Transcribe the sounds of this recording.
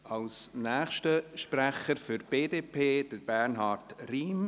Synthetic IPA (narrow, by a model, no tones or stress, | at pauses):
ʔɑlsnæːχʃtəʃpræχəɾfʏɾb̥eːdeːpʰeːd̥əɾb̥æɾnɦɑːrtriːm